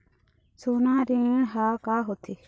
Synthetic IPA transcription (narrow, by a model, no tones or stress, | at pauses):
soːnãːɾĩɦaːkaːɦot̪ʰi